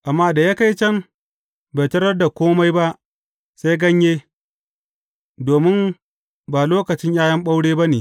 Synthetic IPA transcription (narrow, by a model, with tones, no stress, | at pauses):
ʔa˨mːaː˦da˨ja˦ka˦jt͡ʃɐ˦m | ba˨tɐ˦ɽɐ˦rda˨kʷoː˦ma˦jba˦ʔ | sa˦jɡɐ˦ɲjeː˦ | doː˨mɪ˦m | baː˨loː˦kɐ˨t͡ʃɪ˦ɲjaː˦jɐ˦mɓa˦wɽeː˦ba˦neː˨